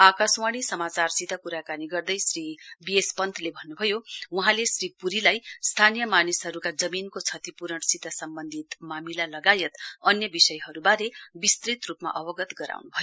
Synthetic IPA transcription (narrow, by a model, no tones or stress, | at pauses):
akaswaɽ̃isʌmat͡sarsit̪akuɾakaniɡʌrd̪ʌjsribiespʌnt̪ʰlebʱʌnːubʱʌjowuɦãlesripuɾilajst̪ʰanijʌmanisɦʌɾukad͡zʌminkot͡sʰʌt̪ipuɾʌɳsit̪asʌmbʌnd̪ʱit̪mamilalʌɡajʌt̪ʌnjʌbisʌjɦʌɾubaɾebist̪rit̪rupma̰ʔʌbʌɡʌt̪ɡʌɾa̰wnubʱʌjo